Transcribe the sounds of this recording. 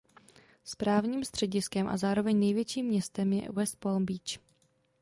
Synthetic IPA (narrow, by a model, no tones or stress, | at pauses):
spɾaːvɲiːmst̪r̝̥ɛɟɪskɛmʔa̰zaːɾo̞vɛɲnɛjvjɛt͡ʃiːmːɲɛst̪ɛmjɛ̰wɛst̪̚polmbiːt͡ʃ